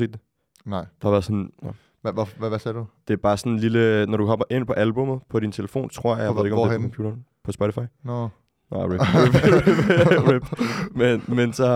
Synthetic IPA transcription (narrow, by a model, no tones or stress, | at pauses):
e̝̰ːd̥d̥e | nd̥ehɑʋæɐð̩ˠsɔn | ʋæsɛɐdud̥e̝æɐb̥ɑ̈ːsɒ̽nenlilənɒɾukʰɒ̽mɐʔe̝n̰pʰɒ̽ʔælb̥ɔ̽mð̩ˠpʰɒ̽ɾ̥int͡sʰe̝ləfo̝̰ːnt͡sʰʁo̝ɐ̰jahɑeðˠeɡɒmdeɔkɒ̽mpʰṵːd̥ɐːn | pʰɒ̽sb̥ɔɾʰifɑ̈ɪn | nɑɪeebb̥web̥menmensɒ̽